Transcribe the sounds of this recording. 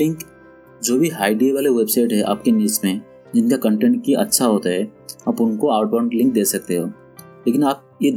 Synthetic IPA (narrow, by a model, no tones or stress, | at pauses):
lɪ̃ŋk | d͡ʒoːbʱiɦaːɪɖieʋaːleʋeːbsaːɪʈɦɛʔa̰ːp̚keniːsmẽ | d͡ʒɪnkakə̃ɳʈɛ̃ɳʈ̚kiʔɐ̰tːʃʰaɦoːt̪aɦɛaːpʊnkoaːʊʈbaɾʈlɪ̃ŋk̚d̪eːsɐk̚t̪eɦoː | leːkɪnaːp̚je